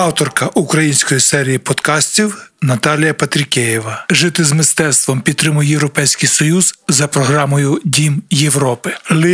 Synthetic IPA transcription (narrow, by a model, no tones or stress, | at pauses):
ɑwt̪ɔrkɐʔukɾɐjinʲsʲkɔjisɛɾʲijipɔd̪kɑsʲtʲiwnɐt̪ɑlʲijɐpɐt̪ɾʲɪkʲɛjiʋɐʒɪt̪ɪzmɪst̪ɛt̪st̪ʋɔmpʲid̪t̪ːɾɪmʊjjewɾɔpɛjsʲkɪjsɔjuz̥zɐpɾɔɦɾɑmɔjʊdʲimjewɾɔpɪlˠɪ